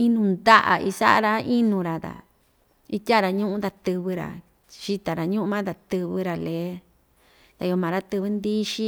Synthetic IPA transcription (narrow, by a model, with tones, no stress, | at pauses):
i˦nũ˧nd̪a˦ʔa̰˨ʔi˧sa̰˦ʔa̰˧ɾa˧i˦nũ˧ɾa˨t̪a̰˨ | i˦t̪ʲa˦˨ɾa˧ɲũ˦ʔũ˦d̪a˧t̪ɨ˧βɨ˧ɾa̰˨ | ʃi˧t̪a˨ɾa˨ɲũ˦ʔũ˧mã˦d̪a˨t̪ɨ˧βɨ˧ɾa˨leː˨˦ | t̪a˨˧o˧mã˨ɾa˦t̪ɨ˧βɨ˧˦nd̪i˦ʃi˦